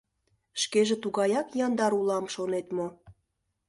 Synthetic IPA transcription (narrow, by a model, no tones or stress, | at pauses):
ʃkeʒet̪uɣɑjɑkjɑnd̪ɑɾulɑmʃonet̪mo